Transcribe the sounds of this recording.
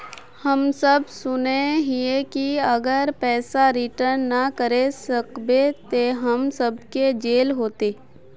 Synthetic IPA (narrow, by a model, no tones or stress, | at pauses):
həmsəbsʊneɦiekiɐɡəɾpɛːsaɾɪʈəɾnːɐkəɾesɐkbet̪eɦəmsəb̚ked͡ʒeːlɦoːt̪eː